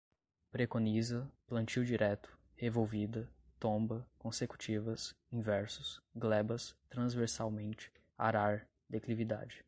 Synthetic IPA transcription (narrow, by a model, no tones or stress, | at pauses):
pɾekõnizɐplɐ̃nt͡ʃiwd͡ʒiɾɛt̪ʊ̥ | hevowvid̪ɐt̪õmbɐkõseku̥t͡ʃivɐs | ĩvɛɾsʊsɡlɛbɐst̪ɾɐ̃zveɾsawmẽnt͡ʃɪ̥ | a̰ɾaɾ | d̪eklivid̪a̰d͡ʒɪ̥